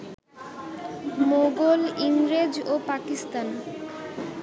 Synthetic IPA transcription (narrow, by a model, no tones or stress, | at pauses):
moɡoliŋɾed͡ʑopakist̪an